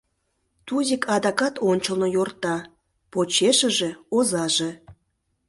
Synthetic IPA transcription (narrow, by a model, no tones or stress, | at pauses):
t̪uzʲikʰɑd̪ɑkɑt̪onʲt͡ɕəlˠnojort̪ɑ | pot͡ɕeʃə̆ʒeozɑʒe